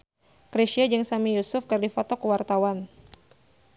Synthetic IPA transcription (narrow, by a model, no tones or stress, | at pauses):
kɾeʃiad͡ʒaŋsamijusʊfkɨrdifɔt̪ɔkəwart̪awan